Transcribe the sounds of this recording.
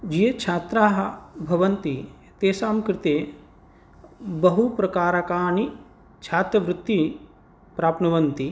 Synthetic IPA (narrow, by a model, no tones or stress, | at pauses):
d͡ʒijɐt͡ʃʰaːt̪ɾaːɦɐbʱɐʋɐnt̪i | t̪eːsaːmkɾɪt̪eː | bɐɦupɾɐkaːɾakaːɳi | t͡ʃʰaːt̪ɾɐʋɾut̪ːi | pɾaːpnɐʋɐnt̪i